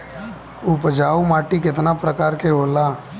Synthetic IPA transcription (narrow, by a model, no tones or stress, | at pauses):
ʊpəd͡ʒaːumaːʈikɪt̪napɾəkaːɾkeɦoːlaː